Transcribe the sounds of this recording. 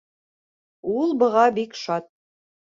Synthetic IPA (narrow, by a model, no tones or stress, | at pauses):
ulˠbɤ̆ʁɑbikʃɑt̪̚